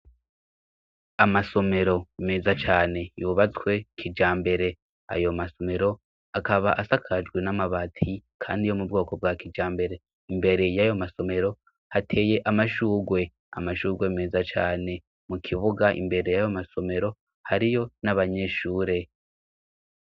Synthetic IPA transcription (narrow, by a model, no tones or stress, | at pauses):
amaso̞me̞ɾo̞meːzat͡ʃaːne̞juβat͡swe̞kʰid͡ʒaːmbe̞ɾe̞ | a̰jo̞maso̞me̞ɾo̞ | akaβaʔasakʰad͡ʒɡwe̞namaβatʰikʰa̰ːndijo̞mubɡo̞ːko̞b̚ɡakid͡ʒaːmbe̞ɾe̞ | imbe̞ɾe̞jajo̞maso̞me̞ɾo̞ | hatʰe̞ːje̞ʔamaʃuːɡwe̞ | a̰maʃuːɡwe̞meːzat͡ʃaːne̞ | mukʰiβuɡaʔḭmbe̞ɾe̞jajo̞maso̞me̞ɾo̞ | haɾijo̞naβaɲe̞ːʃuːɾe̞